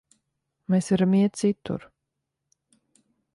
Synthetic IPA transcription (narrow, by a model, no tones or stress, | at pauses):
meːsɛɾamiɛt̪sit̪ṵɾ